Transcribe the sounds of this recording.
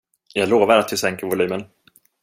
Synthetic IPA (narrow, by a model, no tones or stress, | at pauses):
jɑːɡloːvaɾat̪̚d̪ɵsɛŋkəɾvʊlyːmən